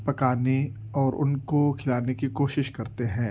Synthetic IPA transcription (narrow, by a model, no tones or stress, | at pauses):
pɐkaːne | ɔːɾʊ̰nkokʰɪlaːnekikoːʃɪʃkɐɾt̪eɦɛ̃ː